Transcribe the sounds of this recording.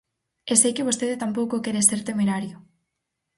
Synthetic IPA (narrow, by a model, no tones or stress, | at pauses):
esejkeβ̞ost̪eðɪt̪ampowkokeɾeseɾt̪emeɾaɾjo